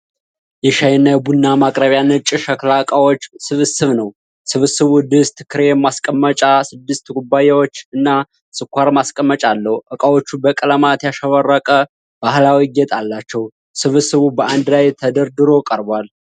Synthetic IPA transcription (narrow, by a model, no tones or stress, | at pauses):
jɛʃajɪnːajɛbunːamakʼɾəβjanːɨt͡ʃʼːɪʃəklakʼawot͡ʃːsɨβɨsɨβnəw | sɨβɨsɨβud̪ɨst̪kʰɨɾemːaskʼəmːət͡ʃʼasɨd̪ːɨst̪ɡubajawot͡ʃːɨnːa | sɨkʷʰːaɾmaskʼəmːət͡ʃʼalːəhʔəkʼawo̞t͡ʃːubəkʼələmat̪jaʃəβərːəkʼə | b̥ahlawiɡɛt̪ʼalːat͡ʃːɛw | sɨβɨsɨβubəʔand̪lajt̪ʰəd̪əɾd̪ɨɾo̞kʼəɾbwal